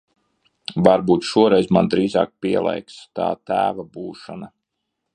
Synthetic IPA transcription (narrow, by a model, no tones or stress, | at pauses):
vaɾbuːt̪ʃuɔɾɛjzmand̪ɾiːzɑ̰ːk̚piɛlˠɛ̰jkst̪ɑ̰ːt̪æ̰ːvabuːʃana